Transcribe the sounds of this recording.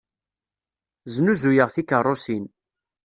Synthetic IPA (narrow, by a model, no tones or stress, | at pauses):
znuzujəʁθikərˤːosin